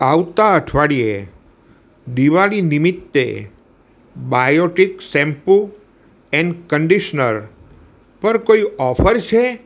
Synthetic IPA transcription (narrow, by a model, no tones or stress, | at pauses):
aʋt̪aəʈʰʋaɽie | ɖ̪iʋalinimit̪ːḛ | bajoʈiksɛ̃mpu | ɛ̃ɳɖkəɳɖiʃnəɾ | pəɾkoiɔfʰəɾt͡ʃʰe